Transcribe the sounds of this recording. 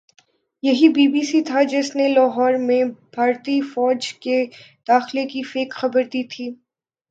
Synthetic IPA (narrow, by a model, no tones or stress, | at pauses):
jɐɦibiːbiːsit̪ʰad͡ʒɪsnelaːɦɔːɾmẽb̥ʱaːɾt̪ifɔːd͡ʒke | d̪̥aːxlekifeːkxɐbəɾd̪iːt̪ʰiː